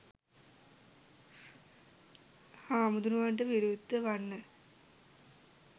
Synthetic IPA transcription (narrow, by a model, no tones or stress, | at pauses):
haːmud̪unuʋaːɳɖɐʋiɾud̪ʱːɐʋɐnːɐ